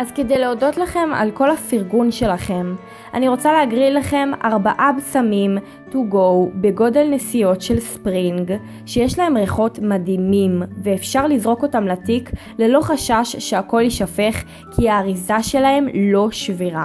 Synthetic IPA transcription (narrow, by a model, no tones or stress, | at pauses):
ʔazke̞de̞jleodo̞tlaχe̞ma̰lko̞lafiʁɡunʃe̞laχe̞m | ʔa̰niʁo̞t͡saleaɡʁillaχe̞mʔaʁbaʔabsamim | tuɡo̞wbe̞ɡo̞de̞lnesijo̞tʃe̞lspʁiŋɡ | ʃe̞jeʃlae̞mʁeχo̞tmadimimveːfʃaʁlizʁo̞ko̞tamlatik | le̞lo̞χaʃaʃːeako̞ljiʃafe̞χ | kʰiaːʁizaʃe̞lahe̞mlo̞ʃviʁa